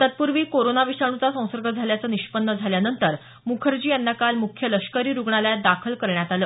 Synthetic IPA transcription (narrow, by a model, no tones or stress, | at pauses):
t̪ət̪̚puɾʋiːkoɾonaʋiʂaɽ̃ũt͡sasə̃w̃səɾɡʱəd͡zʱaljat͡səːniɕpənːəd͡zʱaljanənt̪əɾ | mukʰəɾd͡ʑiːjanːakalmukʰjələɕkəɾiːɾuɡɳaljad̪akʰəlkəɾɳjat̪aləː